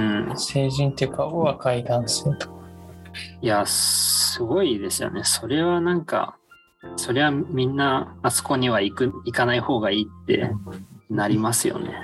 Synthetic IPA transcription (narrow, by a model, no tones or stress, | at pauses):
ɯ̃se̞ːʑĩnt̪ekaoβakaid̪ãɰ̃sɨt̪o̥kḁ | jasɨɡo̞id̪e̞sɨjo̞̰ne̞so̞ɾe̞βanãŋka̰ | so̞ɾe̞βamʲĩnːaːso̥ko̞ɲ̟iβaikɯikanaiho̞ːɡaiːt̪ːe̞̰ | naɾʲimasɨjo̞̰ne̞̰